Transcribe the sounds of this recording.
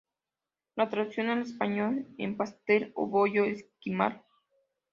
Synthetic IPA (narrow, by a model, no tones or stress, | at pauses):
lat̪ɾaðisjonales̬paɲolḛmpast̪elo̰βojoeskima̰l